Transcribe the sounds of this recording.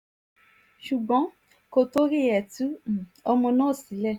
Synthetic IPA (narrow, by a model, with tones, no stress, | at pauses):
ʃu˨ɡ͡bɔ̃˨˦ | ko˧to˦ɾi˦˨ɛ˨tu˨˦˨ɔ˧mɔ̃˧nãː˦˨si˨˦lɛ˦˨